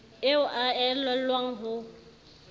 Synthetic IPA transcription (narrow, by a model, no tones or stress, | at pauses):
ɪʊʔaɛlɔl̩lwaŋ̩ɦʊ